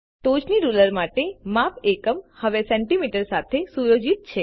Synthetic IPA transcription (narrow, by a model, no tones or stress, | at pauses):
t̪od͡ʒniɾuləɾmaʈemapekəmhəʋesɛɳʈimiʈəɾsat̪ʰesujod͡ʒit̪̚t͡ʃʰe